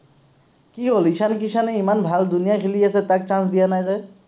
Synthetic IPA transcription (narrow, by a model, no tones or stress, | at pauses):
kiɦolit͡ʃʰank̬isʰaneimanbʱald̪unijakʰelijaset̪ak̚t͡ʃãsd̪ijanajzaj